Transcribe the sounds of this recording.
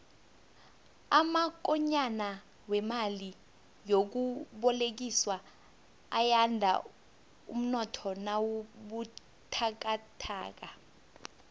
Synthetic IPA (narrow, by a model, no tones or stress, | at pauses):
amak̬ɔɲana | wɛmali | jok̬uɓɔlek̬iswaː | jandʱa̰ | ṵm̩nɔtʰɔnawuɓu | tʰak̬atʰa̰ːk̬a